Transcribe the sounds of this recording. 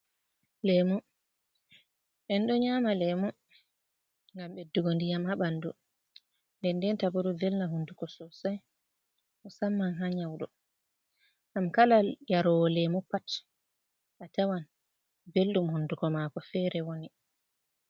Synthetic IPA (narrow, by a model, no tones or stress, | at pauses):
lɛmu | ɓɛnɗɔɲamalɛmu | ŋɡamɓɛduɡondijamhaɓandu | ndɛndɛntabuɾɔvelnaɦundukɔsɔsaj | mɔsamːanɦaɲawɗɔ | ʔamkalajaɾɔwɔlɛmupat | ʔatawan | belɗumhundukɔmakɔfɛɾɛwoni